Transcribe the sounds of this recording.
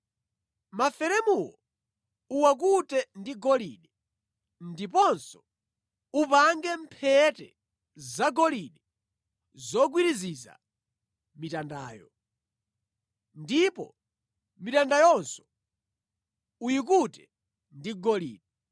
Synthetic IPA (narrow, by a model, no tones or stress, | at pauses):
mafɛɾɛmuwɔ | uwak̬utɛndiɡɔlḭɗɛ | ndipɔnsɔ̥ | upaŋɡɛmpʰɛtɛ̰ | zaɡɔliɗɛ | zɔɡwiɾiziza̰ | mitandaːjɔ̰ | ndipɔ̰ | mitandajɔnsɔ̥ | ujik̬utɛ | ndiɡɔlḭːɗɛ